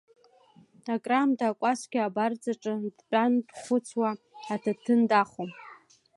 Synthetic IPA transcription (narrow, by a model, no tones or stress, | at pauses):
akʼramdʰaːkʷʼasɡʲɪabard͡zaʈ͡ʂʼɨdpʲʼandχʷʊt͡sʰwaː | tʰatʰɨndaχom